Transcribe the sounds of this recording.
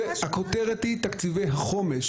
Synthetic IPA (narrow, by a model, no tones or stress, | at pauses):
akot̪eʁetit̪akt͡sivejɦaχo̞meʃ